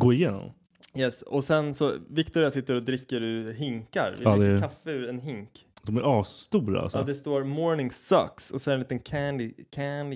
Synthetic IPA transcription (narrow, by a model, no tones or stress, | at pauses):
ɡoːɪjeːnɔ̰m | jɛsɔsɛnsɔvɪkt̪ʊɾjasɪt̪ːəɾɔd̪ɾɪkːəɾʉɦɪŋka̰ɾvɪ̰d̪ɛəkʰafːɛʉɛnɦɪŋk | d̪ɔmæɾɑːst̪uːɾa̰a̰lsd̪ɛst̪oːɾmoːɾnɪŋsa̰ksɔ̰sɔɛɾɛnliːt̪ənkʰænɪkʰæn